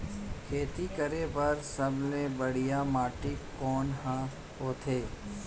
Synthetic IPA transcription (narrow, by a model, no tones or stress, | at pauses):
kʰeːt̪ikəɾepɐɾsɐblebɐɽ̤ijamaːʈɪkːɔːnɦã | ɦoːt̪ʰeː